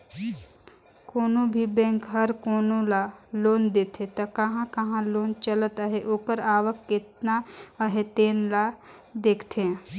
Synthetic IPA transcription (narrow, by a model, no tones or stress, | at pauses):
koːnõbʱibɛ̃ːŋkɦɐɾkoːnõlaloːnd̪eːt̪ʰet̪ɐkɐɦãkɐɦãloːnt͡ʃəlt̪əɦeʔoːkəɾaːʋəkːɪt̪naəɦet̪eːnla | d̪eːkʰt̪ʰe